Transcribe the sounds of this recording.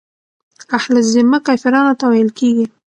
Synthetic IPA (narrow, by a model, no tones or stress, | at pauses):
ahlzɪmːakɑfɪɾɑnot̪awajəlkʰeɡi